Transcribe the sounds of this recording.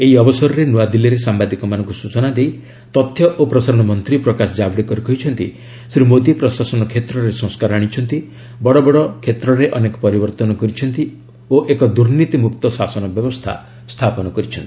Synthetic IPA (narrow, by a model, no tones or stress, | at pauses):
eiɔbɔsɔɾɔɾenuad̪iliɾesambad̪ikɔmanɔŋkusut͡ʃɔnad̪ej | t̪ɔt̪ʰːjɔʔopɾɔsaɾɔɽ̃ɔmɔnt̪ɾipɾɔkasɔd͡ʒabɽikɔɾukɔɦit͡ʃʰɔnt̪ḭ | sɾimod̪ipɾɔsasɔnɔkʰet̪ɾɔɾesɔ̃ŋ̃skaɾɔaɽ̃it͡ʃʰɔnt̪i | bɔɽɔbɔɽɔkʰet̪ɾɔɾeʔɔnekɔ̥pɔɾibɔɾt̪ɔnɔkɔɾit͡ʃʰɔnt̪i | oʔekɔd̪uɾnit̪imukt̪ɔsasɔnɔbjɔbɔst̪ʰa̰ | st̪ʰapɔnɔkɔɾit͡ʃʰɔnt̪i̥